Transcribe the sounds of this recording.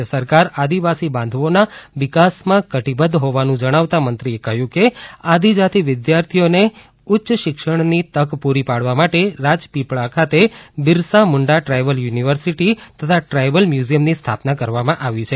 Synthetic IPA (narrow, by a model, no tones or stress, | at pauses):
səɾkaɾad̪iʋasibãnd̪ʱʋonaʋɪkasmãkəʈibəd̪ʱɦoʋanũd͡ʒəɽ̃aʋt̪amənt̪ɾiekəɦjũkead̪id͡ʒat̪ʰiʋɪd̪jaɾt̪ʰijone | ʊtːʃʃɪkʃəɳ̃nit̪əkpuɾipaɽ̤ʋamaʈeɾad͡ʒpipɭakʰat̪ebɪɾsamʊɳɖaʈɾajʋəljuniʋəɾsiʈit̪ət̪ʰaʈɾajʋəlmjuzijəmnist̪ʰapnakəɾʋamãʔaʋit͡ʃʰe